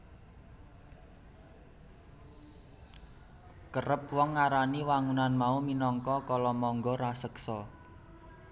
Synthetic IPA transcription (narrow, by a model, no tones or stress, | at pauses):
kərəp̚wɔŋːaɾaniwaŋunanmauminɔŋkɔkɔlɔmɔŋɡɔɾasəksɔ